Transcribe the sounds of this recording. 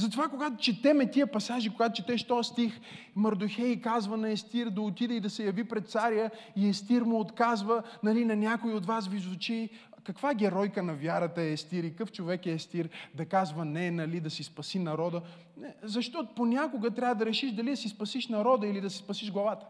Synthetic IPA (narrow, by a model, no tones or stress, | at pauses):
zɐt̪ovakoɡat̪o̥t͡ʃɛt̪ɛmɛt̪iəpɐsaʒikoɡat̪ot͡ʃɛt̪ɛʃt̪ɔjəst̪ixmɐɾd̪oxɛjikazvənɐɛst̪iɾd̪ɐot̪id̪ɛid̪ɐsɛjɐvipɾɛt̪t̪saɾijə | iɛst̪iɾmʊot̪kazvənɐlinɐnʲakoiot̪vasvizʊt͡ʃi | kɐkvaɡʲɛɾɔjkənɐvʲjaɾət̪əɛɛst̪iɾikɤft͡ʃovɛkɛːst̪iɾd̪ɐkazvɐnɛnɐlid̪ɐsispɐsinɐɾɔd̪ə | nɛzɐʃt̪ɔt̪ponʲakoɡət̪ɾʲavəd̪ɐɾɛʃiʃd̪ɐlid̪ɐsispɐsiʃnɐɾɔd̪əilid̪ɐsi̥spɐsiʒɡlˠɐvat̪ə̥